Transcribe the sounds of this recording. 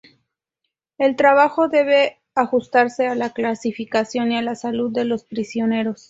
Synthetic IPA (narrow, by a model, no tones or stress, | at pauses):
e̞lt̪ɾaβ̞axo̞ðe̞β̞e̞ | axust̪aɾse̞alaklasifikasjo̞nialasaluðːe̞lo̞spɾisjo̞ne̞ɾo̞s